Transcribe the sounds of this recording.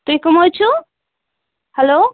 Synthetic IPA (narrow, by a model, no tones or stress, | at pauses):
t̪uikumɦojt͡ʃʰu | hɛloː